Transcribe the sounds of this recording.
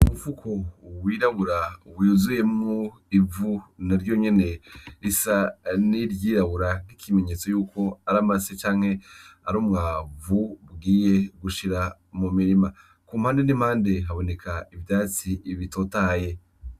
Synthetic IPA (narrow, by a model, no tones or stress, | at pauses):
umufukʰo̞wiːɾaβuɾawiuzuje̞mu | ivunaɾjo̞ɲe̞ne̞ɾisaniɾjiːɾaβuɾan̥ikʰime̞ɲe̞ːt͡so̞juːko̞aɾamaset͡ʃaːŋhe̞aɾuːmŋaːvubɡiːje̞ɡuʃiɾa | mumiɾima | kuːmhaːndenimhaːnde̞ɦaβo̞ne̞kʰaivjaːt͡siβito̞taje̞